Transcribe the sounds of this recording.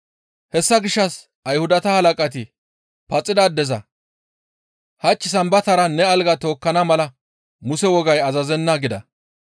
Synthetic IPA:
hɛsːɐɡɪʃːɐs | ɐjhʊd̪ɐt̪ɐhɐlɐkʼɐt̪̬ɪ | pɐt͡sʼːɪd̪ad̪ɛzɐ | hɐt͡ʃʼːɪs̬ɐmbɐt̪ɐɾɐnɛɐlɡɐt̪o̞ːkːɐnɐmɐlɐ | mʊsɛwɔɡɐjɐzɐzɛnːɐɡɪd̪ɐ̰

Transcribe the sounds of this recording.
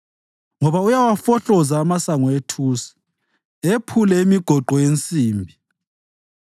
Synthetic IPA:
ŋɔβaujawafɔɬɔzaːmasaŋɔetʰuːsi̥ | epʰulɛimiɡ̥ʱɔǃʱɔjent͡sʼiːmbʱi

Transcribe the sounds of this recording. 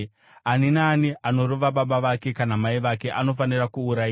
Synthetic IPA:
aninaːniano̞ɾoʋaɓaɓaʋake̞kanamaiʋake̞ʔano̞fanirakuːɾai

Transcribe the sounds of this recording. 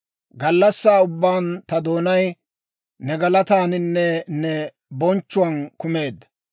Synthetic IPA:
ɡɐlːɐsːaːʊbːaːnt̪ɐd̪o̞ːnɐj | nɛɡɐlɐt̪aːnɪnːɛnɛ | bɔnt͡ʃːʊɐnkʊme̞ːd̪ɐ

